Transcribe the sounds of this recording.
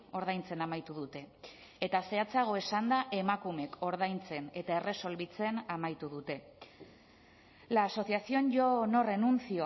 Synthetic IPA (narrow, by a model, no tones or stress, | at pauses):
o̞ɾð̞ajnt͡se̞namajt̪uðut̪e̞ | et̪ase̞at͡saɣ̞o̞e̞sand̪aʔe̞makume̞kʰo̞ɾð̞ajnt͡se̞ne̞t̪ae̞re̞so̞lβit͡se̞namajt̪uðut̪e̞ | laːso̞θiasio̞nʝo̞no̞re̞nunt͡sio